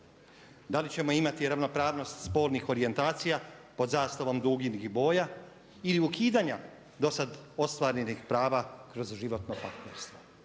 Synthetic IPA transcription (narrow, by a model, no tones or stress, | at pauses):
d̪alit͡ɕe̞mo̞imat̪iɾaʋno̞pɾaːʋno̞st̪spo̞ːlnixo̞ɾije̞nt̪aːt̪sijapo̞d̪zaːst̪aʋo̞md̪uːɡiniɡibo̞ːja | iliukiːd̪aɲa | d̪o̞sad̪o̞st̪ʋaːɾenixpɾaːʋakɾo̞zʒiʋo̞t̪nopaɾt̪neɾst̪ʋo